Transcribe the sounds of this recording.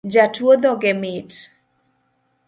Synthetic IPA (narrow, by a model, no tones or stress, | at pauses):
d͡ʒatwod̪ɔɡɛmɪt